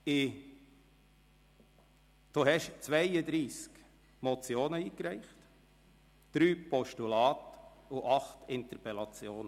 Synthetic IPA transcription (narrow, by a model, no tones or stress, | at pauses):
ɪ | d̥oɦɛʃt͡sʋæɪəd̪ɾiːsk | mɔt͡sjoːnəiːkɾæɪχt | d̥ɾyːpɔʃtulɑːt̪ʊʔɑχt̪ɪnt̪əɾpɛlɑt͡sjoːnə